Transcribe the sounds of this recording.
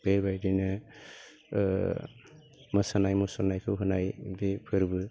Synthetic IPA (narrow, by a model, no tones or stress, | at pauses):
b̥eɾbajdinɯ | məsanajmusɔnajkʰɯwɦɯnajbepʰɯɾbɯ